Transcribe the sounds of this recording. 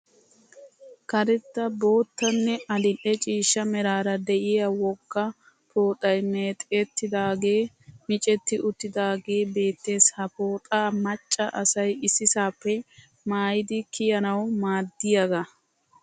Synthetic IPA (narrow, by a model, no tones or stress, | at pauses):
kɐɾɛt̪ːɐbo̞ːt̪ːɐnːɛɐd̪ɪʔɛt͡ʃʼiːʃːɐmɛɾaːɾɐd̪ɛʔɪjɐwɔkːɐ | pʰo̞ːt̪ʼɐjmeːt̪ʼet̪ːɪd̪aːɡe̞ː | mɪt͡ʃʼɛt̪ːɪʔʊt̪ːɪd̪aːɡe̞ːbe̞ːt̪ːe̞ːshɐpo̞ːt̪ʼaːmɐt͡ʃʼːɐʔɐsɐjɪsɪsaːpːɛ | maːjɪd̪ɪkʰɪjɐnɐwmaːd̪ːɪjɐɡɐ